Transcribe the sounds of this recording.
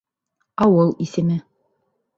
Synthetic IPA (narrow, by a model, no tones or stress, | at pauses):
ɑwɤlˠisɘ̆mɘ